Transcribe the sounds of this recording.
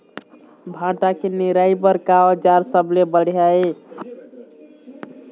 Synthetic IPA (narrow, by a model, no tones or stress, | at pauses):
bʱãʈakeniɾaibəɾkaod͡ʒaɾsəblebəɽ̤jae